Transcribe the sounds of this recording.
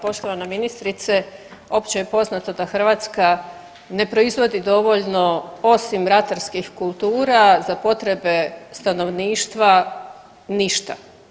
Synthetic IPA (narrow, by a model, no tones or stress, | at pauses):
po̞ʃt̪o̞ʋanaminist̪ɾit̪se | o̞pt͡ɕejepo̞znat̪o̞d̪axr̩ʋaːt̪ska | ne̞pɾo̞izʋo̞d̪id̪o̞ʋoʎno̞o̞simɾat̪aɾskixkulˠt̪uːɾazapo̞t̪ɾe̞be̞st̪ano̞ʋniːʃt̪ʋa | niʃt̪a̰